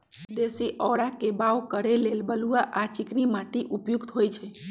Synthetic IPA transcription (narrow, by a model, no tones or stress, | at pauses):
d̪esiʔɔːɽakebawkəɾelelbəluaʔat͡ʃiknimaʈiʔupjukt̪ɦojt͡ʃʰɛ